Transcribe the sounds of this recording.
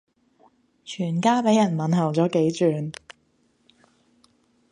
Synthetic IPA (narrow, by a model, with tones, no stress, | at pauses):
t͡ʃʰyː˨˩nkaː˥pe˨˥jɐ˨˩nmɐ˨nɦɐ˨˩wt͡sɔː˨˥ke˨˥jt͡ʃyː˨n